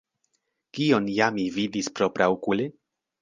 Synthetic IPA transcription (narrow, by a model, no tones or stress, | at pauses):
kio̞njamivid̪ispɾopɾawkuli